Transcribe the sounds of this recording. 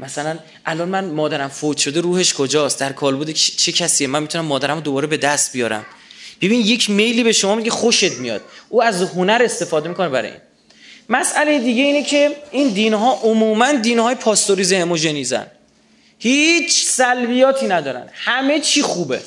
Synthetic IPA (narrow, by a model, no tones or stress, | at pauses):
mæsælæn | ʔælɒːnmænmɒːd̪æɾæmfot̪ʃo̞d̪eɾuːhe̞ʃkʰod͡ʒɒːsd̪æɾkʰɒːlbod̪et͡ʃʰecʰæsiemænmit̪unæmːɒːd̪æɾæmod̪obɒːɾebe̞d̪æst̪̚bijɒːɾæ̰mb̥ebinje̞cʰmejliːbe̞ʃomɒːmiɟʰexoʃe̞t̪ʰmijɒ̰ːd̪̥̚ʔuːæzho̞næɾe̞st̪e̞fɒːd̪e̞miːkʰonebæɾɒ̰ḭːn | mæsæle̞jed̪iːɟe̞iːnecʰe̞iːnd̪iːnɦɒːʔomuːmænd̪iːnhɒːjepʰɒːst̪oɾiːzehemoʒe̞niːzæ̰n | hiːt͡ʃʰsælbijɒːt̪ʰiːnæd̪ɒːɾæ̰nhæme̞t͡ʃʰiːxuːbe̞̰